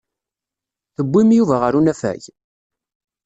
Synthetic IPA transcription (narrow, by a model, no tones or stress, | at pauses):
θəbʷːimjuvæʁəɾunæfæ̰j